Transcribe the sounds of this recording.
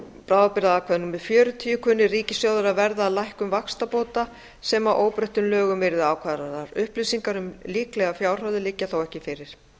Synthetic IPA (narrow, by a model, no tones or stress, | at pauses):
pɾaːwapɪɾaðakʰvaðnumvɛðfjœːɾʏt̪ʰiːjʏkʰʏnːɪriːcɪsjowðʏɾavɛɾðaːðlajhkʏmvakst̪apoːt̪a | sɛːmaʔoːwpɾœht̪ʏmlœːɣʏmvɛːɾɪðaːwkʰvaːðɾaɾnaɾʏhplisiŋkaɾʏmliːklɛɣafjaːwr̥œwðɪlɪcːaθawɛhcɪfɪɾɪɾ̥